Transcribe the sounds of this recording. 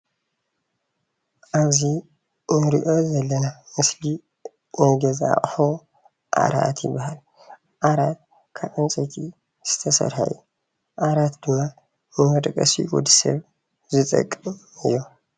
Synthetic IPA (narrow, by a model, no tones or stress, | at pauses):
ʔaβzi | ʔɨɾiʔo̞zɐlːɐnamɨsli | wɔɡɐza̰χʼħo | ʔa̰ɾa̰t̪jɪ̰bːahal | ʔaɾat̪̚ | kʰaβʔɨnt͡sʼɐt̪ʰi | z̥ɨ̥t̪ʰɐsɐ̰ɾħa̰ju | ʔaɾat̪d̪ɨmːa | mɨmɐd̪ʼkʼɐsḭɡud̪isɐ̰β | zɨt̪ʼɐ̰kʼːɨmɨ̰jːo